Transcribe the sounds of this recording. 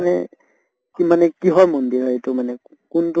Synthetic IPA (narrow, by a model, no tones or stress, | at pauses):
nɛ | kimanɛkiɦɔɹmɔndiɾɔjtumanɛ | kunt